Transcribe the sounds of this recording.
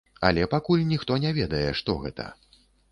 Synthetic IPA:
ɐ̰lʲɛpakulʲnʲixt̪ɔnʲɛvʲɛd̪ɐjɛʂt̪ɔɣɛt̪ʰɐ̰

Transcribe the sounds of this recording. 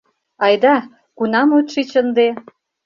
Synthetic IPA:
ɑjd̪ɑ | kunɑmut̪ʃit͡ɕə̆nd̪e

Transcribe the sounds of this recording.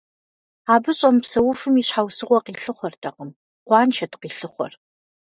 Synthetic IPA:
aːbɨɕʼɐmpsɐwʊfɨmiːɕħaːwsɨʁʷɔqiːɬɨχʷɔrtʰɐqəm | qʷɑːnt͡ʃʰɐtqiːɬɨχʷɔ̰r

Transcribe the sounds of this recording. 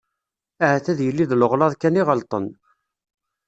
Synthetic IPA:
aʕθæðjəlːiðləʁlɑðˤkæniʁəlt̪ˤə̰n

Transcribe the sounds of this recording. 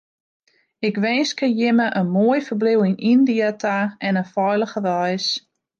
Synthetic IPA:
ɪkʋɛːskəjɪməʔənmoəjfərbliwinʔindiətʰaɛnəfɔjləχəʋɔjs

